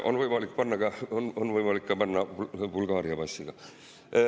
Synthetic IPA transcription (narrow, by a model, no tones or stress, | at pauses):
ʔo̰nvɤjmɑlik̚ːpɑnːɑkɑononvɤjmɑlikːɑpɑnːɑbulɡ̥ɑːɾiɑpɑsʲːiɡ̥ɑ